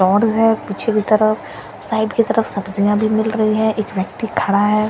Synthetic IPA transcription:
ɔːɾzɦɛːpit͡ʃʰekit̪ɐɾəf | saːɪɖkit̪ɐɾəfsɐbzijãbʱimɪlɾɐɦiɦɛ̃ʔeːkʋjɐkt̪ikʰɐɽaɦɛː

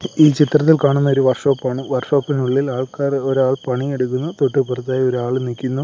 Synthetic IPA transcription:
iːt͡ɕit̪rɐt̪̬ːilkaːɳunːɐoɾuʋɐrʂo̞ːpːaːɳɨʋɐrʂo̞ːpːinuɭːilaːɭkaːroɾaːɭpɐɳie̞ɽukːunːɐt̪oʈːɨpurɐt̪ːaːjo̞ɾuaːɭnikʲːunːu

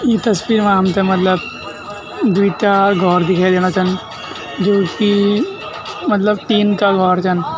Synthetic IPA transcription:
jet̪ɐsʋiːɾmãmtɐmɐt̪ləb | d̪iːtaɡʱɔːɾd̪ɪkʰaːjd̪eːñat͡ʃʰən | d͡ʒoːki | mɐt̪ləb̚t̪iːnkaɡʱɔːɾt͡ʃʰɐn

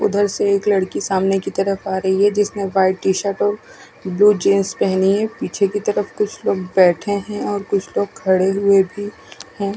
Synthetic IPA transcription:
ʊ̰d̪ʱəɾseeːklɐɽkisaːmnekit̪ɐɾəfaːɾɐɦiɦɛd͡ʒɪsnẽʋaːɪʈiːʃəɾʈɔːɾ | bluːd͡ʒeːnspɛɦniɦɛ̃piːt͡ʃʰekit̪ɐɾəfkʊt͡ʃʰloːɡ̚bɛːʈʰeɦɛ̃ɔːɾkʊt͡ʃʰloːɡ̚kʰɐɽeɦʊebʱi | hɛ̃ː

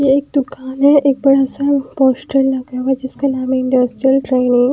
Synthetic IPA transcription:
jeeːk̚d̪ʊkaːnɦɛ̃ʔeːk̚bɐɽasapɔːsʈəlnɐɡaʋad͡ʒɪskanaːmeɪ̃ɳɖɐsʈɾijəlʈɾeːnɪ̃ŋ

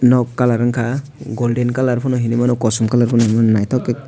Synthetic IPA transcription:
nɔkːalaɾaŋkʰa | ɡɔldɛnkalaɾpʰɔnɔɦinimanɔkɔsɔmkalaɾpʰɔnɔɦinimanɔnajtʰɔkɛ

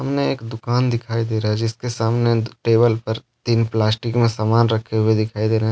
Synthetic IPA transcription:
ɦɐmneeːkd̪ʊkaːnd̪ɪkʰaːid̪eːɾaɦɛd͡ʒɪskesaːmneʈeːbəlpɐɾ | t̪iːnplaːsʈɪkmẽsaːmaːnɾɐkʰːeɦʊed̪ɪkʰaːid̪eːɾaɦɛ̃

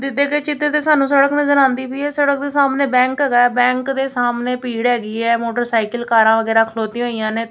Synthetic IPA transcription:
d̪ɪt̪ːeːkeːt͡ʃɪt̪ːeːt̪eːsaːnũːsəɽəknəzəɾãːnd̪iːpiːɛːsəɽək̚d̪eːsaːmneːbɛ̃ːŋkɦɛːɡaːɛːbɛ̃ːŋkd̪eːsaːmneːpiːɽɦɛːɡiːɛːmoːʈəɾsaːɪkəlkaːɾãːʋəɡɛːɾaːkʰloːt̪ĩɦoːiːjãːneː

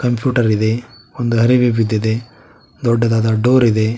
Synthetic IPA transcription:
kɐmpjuːʈɐɾid̪e̞ | ond̪uɦɐɾiʋibid̪ːid̪e̞ | d̪ɔɖːɐd̪aːd̪ɐɖoːɾid̪e̞

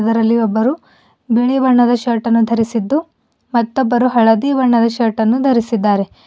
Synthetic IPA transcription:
d̪ɐɾɐlːiɔbːɐɾu | beɭiʋɐɾɳɐd̪ɐʃɐɾʈɐnːud̪ʱɐɾisid̪ːu | mɐt̪ːɔbːɐɾuɦɐɭɐd̪iʋɐɾɳɐd̪ɐʃɐɾʈɐnːud̪ʱɐɾisid̪ːaːɾe̞

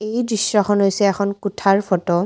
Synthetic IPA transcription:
ejdɹisːɔxʰɔnɦojsɛːxʰɔnkutʰaɹpʰɔtɔ

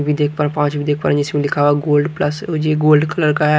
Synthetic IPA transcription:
bʱid̪eːk̚ʰpəɾ̃pãːt͡ʃbʱiːd̪eːk̚ʰpəɾə̃nɪsmẽlɪkʰaːʋaɡoːlɖpləsd͡ʒeːɡoːlɖkələɾkaɦɛ

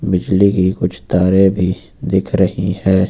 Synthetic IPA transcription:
bɪd͡ʒlikikʊt͡ʃʰt̪aːɾẽbʱi | d̪ɪkʰɾɐɦihɛː

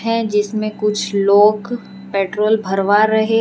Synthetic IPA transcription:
ɦɛ̃d͡ʒɪsmẽkʊt͡ʃʰloːɡ | peːʈɾoːlbʱɐɾʋaɾɐɦe

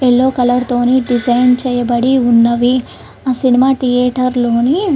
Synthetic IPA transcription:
elːoːkɐlɐɽt̪oːniɖid͡ʒɐjnt͡ʃɛːjɐbɐɽiunːɐʋi | asinimaːʈijeːʈɐɾloːni

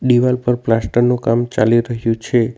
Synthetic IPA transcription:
ɖiʋalpəɾplasʈəɾnukamt͡ʃaliɾəɦjũt͡ʃʰe

